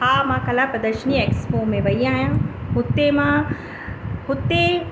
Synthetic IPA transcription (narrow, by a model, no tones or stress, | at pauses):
ɦaːmãːkɐlaːpɾɐd̪əʃnieːkspomẽʋɐiãːjãɦʊt̪ːemã | hʊt̪ːe